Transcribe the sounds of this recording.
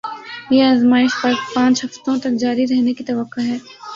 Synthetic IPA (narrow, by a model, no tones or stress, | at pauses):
jeaːzmaːɪʃpɐɾpãːt͡ʃɦɐft̪õt̪ɐk̚d͡ʒaːɾiɾɛɦnekit̪ɐʋəqːoɦɛː